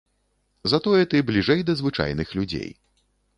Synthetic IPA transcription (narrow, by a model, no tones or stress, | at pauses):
zɐt̪ɔjɛt̪ɨblʲiʐɛjd̪ɐzvɨt͡ʂa̰jnɨxlʲud͡zʲḛj